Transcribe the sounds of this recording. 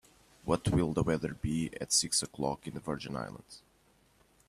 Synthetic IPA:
wʌtʰwɪlˠðəwɛðə˞biɨ̰tsɪksəkʰl̥ɑ̰kɨ̃nðəvɜ˞d͡ʒɨ̃na̰ɪlˠə̰̃ndz̥

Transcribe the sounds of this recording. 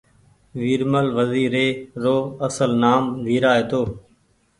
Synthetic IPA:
ʋiːɾməlʋəziːɾeːɾoːəsəlnaːmʋiːɾaːɦeːt̪oː

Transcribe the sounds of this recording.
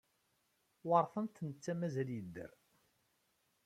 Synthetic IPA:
wɑɾˤθənt̪nət͡sːæmæzæljəd̪ːə̰ɾ

